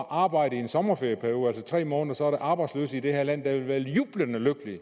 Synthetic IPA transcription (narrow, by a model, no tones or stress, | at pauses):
ʔɑ̈ːb̥ɑ̈ɪ̰ɾ̥əiensɒ̽mɐfeɐjəpʰæɐjo̝ːð̩ˠælsət͡sʰʁɛ̰ːmɔ̽ːnðˠɐsɒ̽æɐɾ̥eʔɑ̈ːb̥ɑ̈ɪ̥slø̰ːsid̥eheɐlæn̰d̥æʋe̝lʋæːɐjuːb̥lənəløɡ̥əli